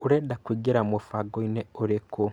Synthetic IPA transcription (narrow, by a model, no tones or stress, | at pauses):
uɾedakuɟiɾamofaɡoineuɾeko